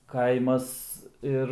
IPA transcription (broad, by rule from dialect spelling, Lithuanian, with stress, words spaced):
ˈkɐɪmɐs ˈɪr